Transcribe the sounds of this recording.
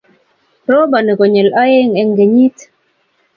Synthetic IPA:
ɾo˦ba˨ni˨kɔ˨ɲɛ˨la˦je˦ŋɛ˨ŋɡe˨ɲi˦t

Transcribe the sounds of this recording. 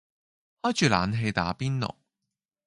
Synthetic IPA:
hɔː˥jt͡ʃyː˨laː˨˧nɦe˧jt̪a̰ː˨˥piː˥nlɔ̰˨˩

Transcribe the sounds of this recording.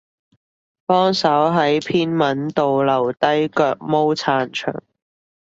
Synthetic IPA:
pɔː˥ŋsɐ˨˥wɦɐ˨˥jpʰiː˥nmɐ˨˥nt̪o˨wlɐ˨˩wt̪ɐ˥jkœː˧k̚mo˥wt͡sʰaː˧nt͡ʃʰœ̰ː˨˩ŋ

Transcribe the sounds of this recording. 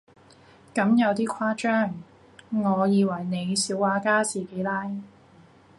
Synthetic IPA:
kɐ˨˥mjɐ˨˧wt̪iː˥kʷʰaː˥t͡ʃœː˥˩ŋ | ŋɔː˨˧jiː˨˧wɐ˨˩jne˨˧jsiː˨˥waː˨˧˥kaː˥t͡siː˨ke˨˥jlaː˥j

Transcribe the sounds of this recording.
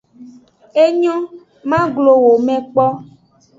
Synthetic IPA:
e˦ɲɔ̃˦ | mã˦ɡlo˨wo˨mɛ̃˨k͡pɔ˦

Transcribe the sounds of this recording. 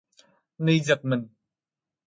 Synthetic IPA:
nə˧jzɐ˨k̚mə˨n

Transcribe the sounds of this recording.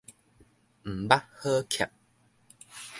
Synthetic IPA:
m̩˨˩ba˦hə˦kʰja̰˨p̚

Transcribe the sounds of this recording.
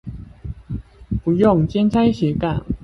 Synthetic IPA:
pu˨˦jʊ˥˨ŋt͡ɕjɛ˥nt͡sʰa˥ɪɕjɛ˨˥ka̰˨˩n

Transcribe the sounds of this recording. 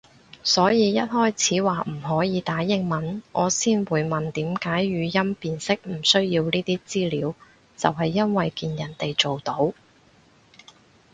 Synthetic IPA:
sɔː˨˥jiː˨˧jɐ˥t̚hɔː˥jt͡sʰiː˨˥waː˨m̩˨˩ɦɔː˨˥jiː˨˧t̪aː˨˥jɪ˧˥ŋmɐ˨˩nŋʔɔː˨˧siː˥nwuː˨˧jmɐ˨nt̪iː˨˥mkaː˨˥jɥyː˨˧jɐ˥mpiː˨nsɪ˥k̚m̩˨˩sɵ˥ɥjiː˧wniː˥t̪iː˥t͡siː˥liː˨˥w | t͡sɐ̰˨wɦɐ˨jːɐ˥nwɐ˨jkiː˨njɐ˨˩nt̪e˨jt͡so˨wt̪o˨˥w

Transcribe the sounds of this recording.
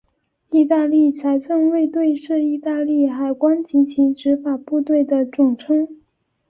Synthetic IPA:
i˥˧t̪a˥˧li˥˩t͡sʰa˧˥ɪt͡sʰɤ˥˧ŋwe˥˧ɪt̪we˥˧ɪʂɻ̩˥˧i˥˧t̪a˥˧li˥˩xa˨˩ɪkwa˥nt͡ɕi˧˥t͡ɕʰi˧˥ʈ͡ʂɻ̩˧˥fa˨˩pu˥˧t̪we˥˩ɪd̪ə˩ʈ͡ʂʊ˨˩ŋʈ͡ʂʰɤ˥ŋ

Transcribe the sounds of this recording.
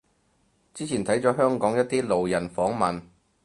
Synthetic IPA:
t͡siː˥t͡sʰiː˨˩nt̪ʰɐ˨˥jt͡sɔː˨˥ɦœː˥ŋkɔː˨˥ŋjɐ˥t̚t̪iː˥lo˨wjɐ˨˩nfɔː˨˥ŋmɐ˨n

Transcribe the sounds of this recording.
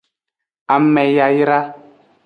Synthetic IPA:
a˨mɛ˨ja˨jɾa˦

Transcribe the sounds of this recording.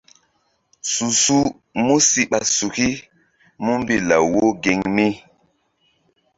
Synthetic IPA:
su˨su˦ | mu˦si˦ɓa˨su˨ki˦ | mu˦m˦bi˦la̰˨wo˦ɡe˨ŋmi˦

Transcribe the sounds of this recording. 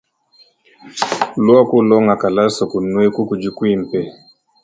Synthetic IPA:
lwa˦ku˦lɔ˦ŋa˨ka˨la˦sɔ˨ku˨nwe˦ku˦ku˨d͡ʒu˦kwi˦m̩˨pɛ˨

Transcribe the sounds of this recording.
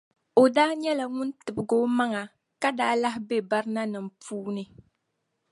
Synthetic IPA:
o˨daː˦ɲɛ˦la˨ŋʊ˦ntɨ˨bɨ˨ɡo˦ma˦ŋa˨ | ka˦daː˦la˦ɦbe˦ba˦ɾɨ˦na˦nɨ˨m̩˨puː˦nɨ˦

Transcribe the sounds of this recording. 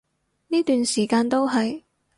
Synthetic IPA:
niː˥t̪yː˨nsiː˨˩kaː˧nt̪o˥wɦɐ˨j

